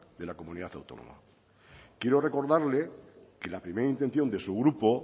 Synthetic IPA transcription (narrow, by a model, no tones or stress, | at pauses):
d̪e̞lako̞mũniðaθa̰wt̪o̞no̰ma̰ | kje̞ɾore̞ko̞ɾðaɾle̞ke̞lapɾimeɾaint̪e̞n̟θjo̞nd̪e̞suɣ̞ɾupo̞